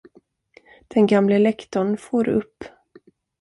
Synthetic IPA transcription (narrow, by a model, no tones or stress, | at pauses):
d̪̥ɛnɡamləɛlɛkt̪ɔɳfoːɾɵ̰pː